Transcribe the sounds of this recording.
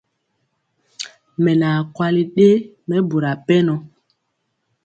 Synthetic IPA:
mɛ˨na˨kwa˦li˦ɗe˦ | mɛ˦bu˨ɾa˨pɛ˦nɔ˨

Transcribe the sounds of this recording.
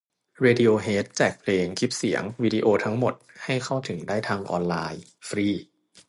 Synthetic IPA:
ɾeː˧di˧ʔoː˧ɦeː˦˥t̪̚t͡ɕɛː˨˩k̚pʰleː˧ŋkʰi˦˥p̚si˩˦əŋwiː˧diː˧ʔoː˧t̪ʰa˦˥ŋmo˨˩t̪̚ha˥˩jkʰa˥˩wt̪ʰɯ˩˦ŋdaː˥˩jt̪ʰaː˧ŋʔɔ̰ː˧nlaː˧j | fɾiː˥˩

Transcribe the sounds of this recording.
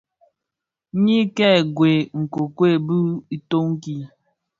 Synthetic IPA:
ɲi˦kɛ˦˨ɡwe˨ŋ̩˨ko˨kwe˦˨bu˦i˨to˦ŋ̩˦ki˦

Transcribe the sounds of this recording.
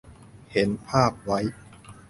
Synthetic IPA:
he˩˦npʰaː˥˩p̚wa˦˥j

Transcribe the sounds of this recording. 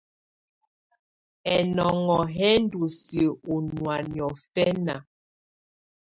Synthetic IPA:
ɛ˨nɔ˨ŋɔ˨ɦɛ˦n˦du˨si˨u˨nwa˨n˨ɔ˨fɛ˦na˨

